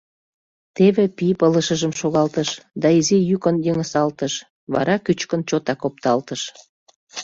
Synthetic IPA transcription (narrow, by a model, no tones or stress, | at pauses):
t̪eβepipələʃəʒəmʃoɣɑlt̪əʃd̪ɑizijykənjəŋəsɑlt̪əʃ | βɑ̰ɾɑkyt͡ɕkənt͡ɕot̪ɑkop̚t̪ɑlt̪əʃ